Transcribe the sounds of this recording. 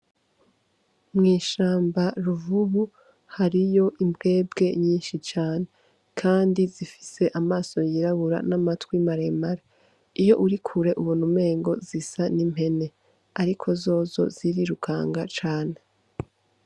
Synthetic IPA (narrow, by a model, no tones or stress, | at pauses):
mŋiːʃaːmbaɾuvuβu | haɾijo̞ʔimbɡe̞ːb̚ɡe̞ɲiːnʃit͡ʃaːne̞ | kʰaːndizifi̥se̞ʔamaːso̞jiɾaβuɾa̰namatwimaɾe̞ːmaɾa | ijo̞ʔuɾikʰuɾe̞ʔuβunume̞ːŋɡo̞̰zisanim̥he̞ne̞ | aɾikʰo̞zo̞ːzo̞̰z̥iɾiɾukʰa̰ːŋɡat͡ʃaːne̞